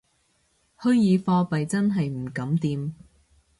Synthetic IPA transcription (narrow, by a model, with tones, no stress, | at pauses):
hɵ˥ɥjiː˨˧fɔː˧pɐ˨jt͡sɐ˥nɦɐ˨jm̩˨˩kɐ˨˥mt̪iː˨˧m